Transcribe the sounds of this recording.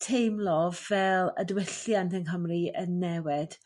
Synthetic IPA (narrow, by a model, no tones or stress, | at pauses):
tʰejmlˠɔvɛlˠə̰dwɪɬjantʰənɦəmriənːɛwɪd̥